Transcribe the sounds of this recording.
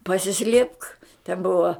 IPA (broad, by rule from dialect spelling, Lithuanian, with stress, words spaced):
pɐsʲɪˈsʲlʲeːpk tʲɛn ˈbʊʋɐ